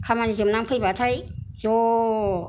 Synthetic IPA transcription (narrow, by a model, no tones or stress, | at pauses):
kʰamanizɯmnamkʰɯjbat̪ʰajz̥ɔ